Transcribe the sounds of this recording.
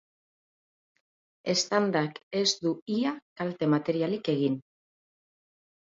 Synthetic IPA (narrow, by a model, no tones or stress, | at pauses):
e̞st̪and̪ake̞zd̪uiakalt̪e̞mat̪e̞ɾialike̞ɣ̞in